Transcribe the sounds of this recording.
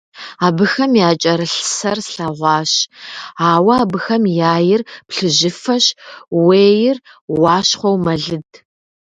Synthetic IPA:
aːbɨxɐmjaːt͡ʃʼɐɾɨɬsɐrsɬɐʁʷɑːɕaːwɐaːbɨxɐmjaːjɪrpɬɨʑɪfɐɕweːjɪr | wɑːʃɕχʷɔwmɐɮɨd

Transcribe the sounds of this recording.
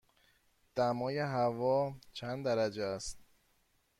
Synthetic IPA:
d̪̥æmɒːjeɦævɒːt͡ʃʰænd̪d̪æɾæd͡ʒeæst̪̚

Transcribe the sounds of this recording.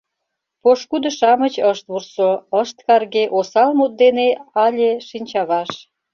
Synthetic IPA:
poʃkud̪ə̆ʃɑmət͡ɕəʃt̪βursoəʃt̪kɑrɣeʔosɑlmut̪̚d̪eneɑlʲeʃinʲt͡ɕɑβɑʃ

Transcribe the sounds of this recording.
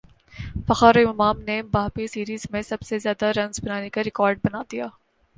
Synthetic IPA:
fɐxaːɾojɐmaːmnebaːɦmisiːɾiːzmẽsɐbsezjaːd̪aɾɐ̃nzbɐnaːnekaɾɪkɔːɾɖ̚bɐnaːd̪ijaː

